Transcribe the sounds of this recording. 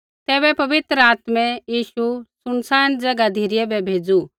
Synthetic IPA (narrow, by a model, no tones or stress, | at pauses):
t̪ɛːβɛpɐʋɪt̪ɾəaːt̪mɛ̃jiːʃusʊnsaːnd͡ʒɐɡad̪ʱiːɾɪjɛbɛbʱeːd͡zu